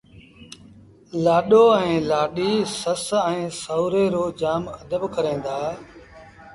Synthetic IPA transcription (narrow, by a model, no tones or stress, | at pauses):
laːɗoːɛ̃ːlaːɗiːsəsɛ̃ːsəʊɾeːɾoːd͡ʒaːməd̪əbkəɾẽːnd̪aː